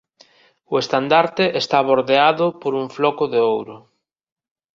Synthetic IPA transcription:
ʊest̪and̪aɾt̪ɪʔest̪aβoɾðeaðʊpoɾuɱflɔkʊðeowɾʊ

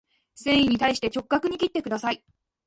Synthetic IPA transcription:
sẽ̞ɰ̃iɲ̟it̪aiɕi̥t̪e̞t͡ɕo̞kɯ̥ːakɯ̟ɲ̟ikʲit̪ːe̞kɯd̪asai

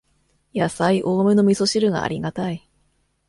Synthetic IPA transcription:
jasaiʔoːmɯ̟no̞mʲiso̞ɕiɾɯ̟ɡa̰ːɾʲiɡat̪ai

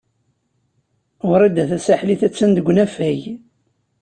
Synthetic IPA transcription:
ʊɾad̪ːæθæsaħliθæt͡sːænd̪əɡʷːnæfæj

